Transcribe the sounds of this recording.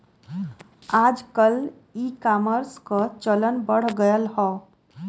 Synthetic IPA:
ad͡ʒkəl | ikaməɾskət͡ʃələnbəɽ̤ɡəjəlhɔ̃

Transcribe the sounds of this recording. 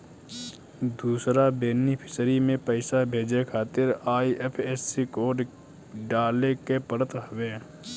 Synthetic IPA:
d̪uːsɾabeːnipʰɪ̥sɾimẽpəɪsabʱeːd͡ʒekʰaːt̪ɪɾaːiʔepʰeːsːikoːɖ | ɖaːlekepəɾət̪ɦəbeː

